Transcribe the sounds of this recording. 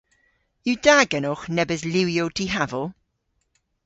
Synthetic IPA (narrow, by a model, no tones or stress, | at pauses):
judaɡənɔχnɛbəzlɪwjowtʰiɦavɔ